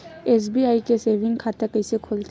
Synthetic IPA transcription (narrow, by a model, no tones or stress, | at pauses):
eːs̬biaːikeseːʋɪ̃ŋɡkʰaːt̪əɾkɐɪsekʰoːlt̪